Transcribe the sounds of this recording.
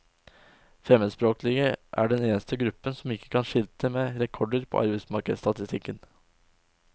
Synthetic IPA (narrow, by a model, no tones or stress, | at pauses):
fɾɛməd̪spɾoːklɪɡəʔæ̰ːɖɛneːnəst̪əɡɾʉpːənsɔmɪkːə̥kʰɑnʂɪlt̪ʰəmeːɾɛkʰɔɖəɾpʰo̰ːʔɑɾbɛɪsmɑɾkəd̪st̪ɑt̪ɪst̪ʰɪkːən